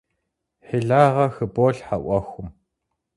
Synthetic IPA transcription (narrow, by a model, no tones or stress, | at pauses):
ħeɮaːʁɐxɨboːɬħaʔʷɐxʷʊm